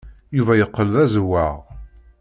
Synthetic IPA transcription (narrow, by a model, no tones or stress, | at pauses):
juvæjəqːəlðæzwːæʁ